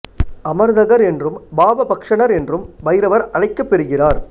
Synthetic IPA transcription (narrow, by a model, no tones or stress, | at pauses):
ʔɐmɐɾðɐɣɐɾɛndrɯmbaːbɐbɐkʂɐɳɐɾɛndrɯmʋɐɪɾɐʋɐɾɐɻɐɪkːɐpːɛɾɯɣɪraːɾ